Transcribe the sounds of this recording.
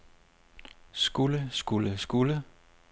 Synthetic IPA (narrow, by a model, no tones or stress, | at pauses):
sɡ̥uləsɡ̥uləsɡ̥ulə